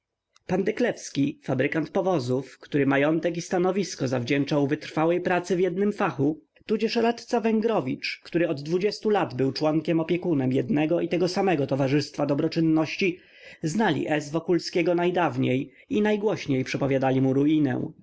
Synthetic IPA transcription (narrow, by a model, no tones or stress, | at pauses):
pand̪ɛklɛfskʲifabɾɘkant̪̚pɔvɔzufkt̪uɾɘmajɔnt̪ɛkist̪anɔvʲiskɔzavd͡ʑɛnt͡ʂawvɘt̪ɾfawɛjpɾat̪sɘvʲjɛd̪nɘmfaxu | t̪ud͡ʑɛʂɾat̪t̪savɛŋɡɾɔvʲit͡ʂkt̪uɾɘɔd̪ːvud͡ʑɛst̪ulad̪bɘwt͡ʂwɔŋkʲɛmɔpʲjɛkunɛmjɛd̪nɛɡɔit̪ɛɡɔsamɛɡɔt̪ɔvaʐɘst̪fad̪ɔbɾɔt͡ʂɘnːɔɕt͡ɕi | znalʲḭʔɛzvɔkulskʲeɡɔnajd̪avɲej | inajɡwɔɕɲejpʂɛpɔvʲjad̪alʲimuɾuinɛ̰w̃